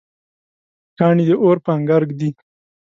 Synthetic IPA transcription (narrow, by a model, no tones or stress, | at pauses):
kɑːɳid̪əʔoɾpaŋɡaɾɡd̪i